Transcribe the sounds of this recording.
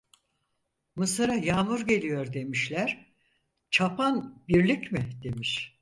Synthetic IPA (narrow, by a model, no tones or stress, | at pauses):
mɯsɯɾajaːmuɾɟe̞lʲijo̞ɾd̪e̞miʃlʲæɾ̥ | t͡ʃʰapʰanbiɾlʲicmɪd̪e̞miʃ